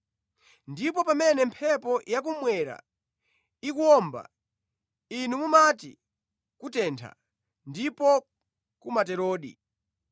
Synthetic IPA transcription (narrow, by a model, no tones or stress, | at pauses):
ndip̬ɔpamɛnɛmpʰɛpɔjak̬umwɛɾa̰ | ikuɔmba̰ | inumumati | kutɛntʰa̰ | ndipɔ | kumatɛɾɔːɗḭ